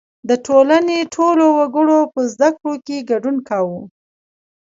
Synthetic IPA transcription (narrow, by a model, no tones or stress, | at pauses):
d̪əʈʰolaneʈʰolowaɡəɽopəzd̪akɽokeɡaɖunkawu